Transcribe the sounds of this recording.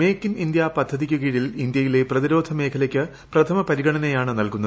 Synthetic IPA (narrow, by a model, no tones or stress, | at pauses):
me̞ːkːinind̪jɐpɐd̪ʱːɐðik̬ʲːuɣiːɻilind̪jɐjile̞prɐðiɾo̞ːd̪ʱɐme̞ːkʰɐlɐkʲːɨ | prɐt̪ʰɐmɐpɐɾiɡɐɳɐnejaːɳɨnɐlkunːɐð